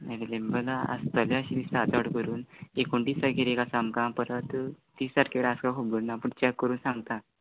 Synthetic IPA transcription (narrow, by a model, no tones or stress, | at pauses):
eɾelembəlaə̰st̪əljaɕilisat̪aʈkəɾuːnekoɳʈiːsaɾkeɾekasamkãpəɾət̪t̪iːssaɾkʰʲaʋeɭaskakʰobəɾnapuɽt͡ɕakːəɾuːnsãŋɡt̪a